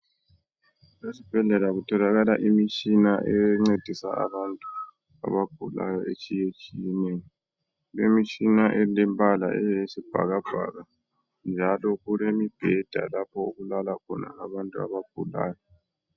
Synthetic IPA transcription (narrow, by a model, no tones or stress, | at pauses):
lesib̥ʱɛɮɛlaɣutʰɔlaɣalaʔimit͡ʃʼinaʔɛŋ͡ǀed̥ʱisa̰ʔa̰βantʼu | a̰βab̥ʱula̰jɔʔet͡ʃʼijet͡ʃʼijɛneːni | lemit͡ʃʼinaʔɛlɛmpʼala̰ʔɛjjesib̥ʱa̰ɣab̥ʱa̰ɣa | nd͡ʒʱalɔɣulemib̥ʱɛd̥ʱa̰lapʰɔuɣulalakʰɔna̰aβantʼua̰βab̥ʱula̰ːjɔ